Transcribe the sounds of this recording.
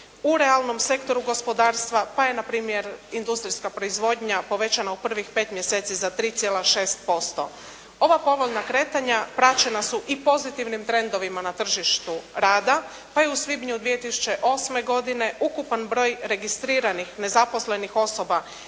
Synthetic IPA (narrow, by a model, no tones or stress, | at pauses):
uɾe̞alˠno̞mse̞kt̪o̞ɾuɡo̞spo̞d̪aːɾst̪ʋapaje̞napɾiːmje̞ɾind̪ust̪ɾiskapɾo̞izʋo̞d̪ɲapo̞ʋe̞t͡ɕanaupr̩ʋixpe̞ːt̪mje̞se̞ːt̪sizat̪ɾiːt̪sjeːlaʃe̞ːst̪̚po̞st̪o̞̰ | o̞ʋapo̞ʋo̞ʎnakɾe̞ːt̪aɲapɾat͡ʃenasuʔipo̞zit̪iʋnimt̪ɾe̞nd̪o̞ʋimanat̪r̩ʒiʃt̪uɾaːd̪a | paje̞usʋibɲud̪ʋijet̪isu̥t͡ɕe̞ʔo̞sme̞ɡo̞d̪ine̞ʔukupanbɾo̞ːjɾe̞ɡist̪ɾiːɾanixne̞zapo̞sle̞nixo̞so̞ba